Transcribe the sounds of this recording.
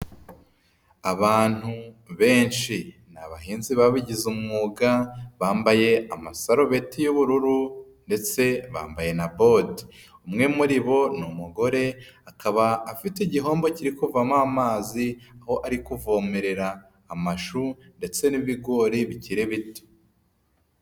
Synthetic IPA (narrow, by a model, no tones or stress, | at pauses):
aβaːn̥huβe̞ːnʃi | naβaɦiːnziβaβiɟizumŋuːɡaβaːmbaje̞amasaɾo̞βe̞tijuβuɾuɾu | nde̞t͡se̞βa̰ːmbaje̞nabo̞dumŋe̞muɾiβo̞numuɡo̞ɾe̞akaβaːfitiɟiɦo̞ːmbo̞ciɾikuvamamaːziaho̞ʔaɾikuvo̞ːmeɾe̞ɾaː | maʃu | nde̞t͡se̞niβiɡo̞ːɾiβiciɾeβiti̥